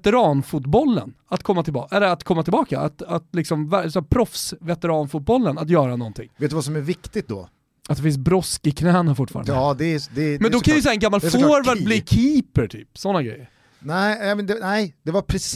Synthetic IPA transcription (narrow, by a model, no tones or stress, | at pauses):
t̪ɛɾɑːnfʊt̪bɔlːə̰nat̪kʰɔmːat̪ʰɪlbɑʔɛlːəɾat̪kʰɔmːat̪ʰɪlbɑːkaa̰t̪at̪lɪksɔmvæsɛpʰɾɔfsvɛt̪ɛɾɑːnfʊt̪̚bɔlːənat̪jœːɾanɔnt̪ʰɪ̰ŋːveːt̪̚ːvas̬ɔmæɾvɪkt̪ɪt̪d̪ɔ̰ | at̪d̪ɛfɪns̬bɾɔskɪkʰnɛːnaɾfʊʈːfɑ̰ːɾa̰nd̪d̪ɛd̪ɛmɛnd̪ɔkanjɪsɛjaɛnɡamːaloɾvɛlbliːkʰiːpəɾʈʰy̰ːpsɔnːaɡɾɛ̰jːəɾ | nɛɪɛmɛnd̪ɛnɛɪd̪ɛvapʰɾɛs